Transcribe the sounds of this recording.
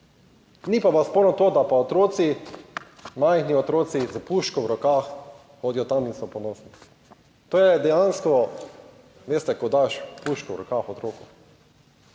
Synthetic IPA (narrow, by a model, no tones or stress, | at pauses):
nipaʋaspoːɾnɔt̪oːd̪apaot̪ɾoːt̪si | majxniɔt̪ɾoːt̪sizapuʃkɔwɾɔkaːx | xoːd̪ijɔt̪aminsɔpɔnoːsni | t̪oːjɛd̪ɛjanskɔ | ʋeːst̪ɛkɔd̪aʃpuʃkɔwɾɔkaxɔt̪ɾoːkʊ